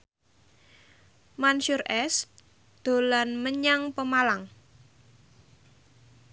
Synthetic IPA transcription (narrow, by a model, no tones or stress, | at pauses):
manʃurɛs | d̪̥o̤lanməɲaŋpəmalaŋ